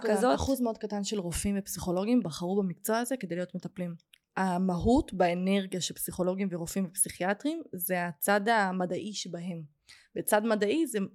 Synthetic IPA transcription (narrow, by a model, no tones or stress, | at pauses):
kazoaχuzmeo̞d̪̚katanʃe̞lʁofimvepsiχo̞lo̞ɡimbaχaʁubamikt͡so̞aaze̞kede̞jlijot̪me̞taplim | amaɦutbeeneʁɡjaʃelpsiχo̞lo̞ɡimveʁofimvepsiχiatʁimzeat͡sadamadaʔiʃebaɦe̞m | bet͡sadmadaize